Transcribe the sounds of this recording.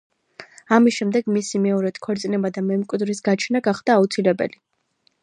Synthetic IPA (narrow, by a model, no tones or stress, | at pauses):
amisʃɛmd̪ɛɡmisimɛɔɾɛt̪kʰɔɾt̪sʼinɛbad̪amɛmkʼwid̪ɾisɡat͡ʃʰnaɡaχd̪̥aːut̪sʰilɛbɛ̰li